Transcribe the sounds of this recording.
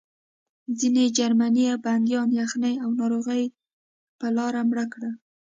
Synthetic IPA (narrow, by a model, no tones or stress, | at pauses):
zined͡ʒaɾmanijaband̪jɑnjɑxnəjawnɑɾoɣəj | pəlɑɾamɽəkɽa